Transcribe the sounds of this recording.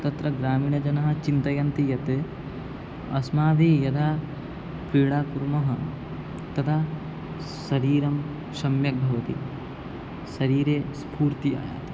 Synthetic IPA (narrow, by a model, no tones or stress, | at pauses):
t̪ɐt̪ɾɐɡɾaːmiːɳɐd͡ʒɐnɐɦɐ̆t͡ʃint̪ɐjɐnt̪ijɐt̪ɨ | ɐsmaːʋijɐt̪ʰaː | pɾiːɽaːkuɾmɐɦɐ | t̪ɐt̪ʰa | ʃɐɾiːɾɐm | ʃɐmjɐk̚bʱɐʋɐt̪i | ʃɐɾiːɾeːspuːɾt̪ia̰ːja̰ːt̪